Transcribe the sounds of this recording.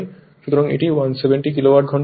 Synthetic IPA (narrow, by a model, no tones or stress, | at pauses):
n | ʃut̪oɾaŋḛʈiwansebeɳʈik̬ilowaɾʈ̚ɡʱɔɳ